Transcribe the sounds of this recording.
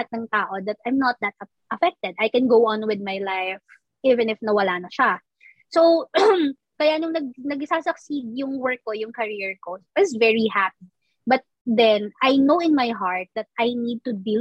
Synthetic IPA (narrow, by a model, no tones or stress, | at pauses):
at̪̚nɐŋt̪aːʔod̪ɐt̪̚ajmnɐt̪̚d̪ɐt̪̚ | ʔɐfɛk̚t̪ɛd̪ajkɛ̃nɡowʔɐ̃nwɪd̪̚majlajf | ʔivɛ̃nɪfnɐwɐlaːnɐʃa | so | kɐjaʔnʊŋnɐɡ̚nɐɡɪsaːsɐksid̪̚jʊŋwɛɹkːojʊŋkɐɹiɹkoɪsvɛɹihap̚i | bɐt̪̚d̪ɛnajnowɪnmajɦaɹt̪̚d̪ɐt̪̚ʔajnid̪̚t̪ʊd̪i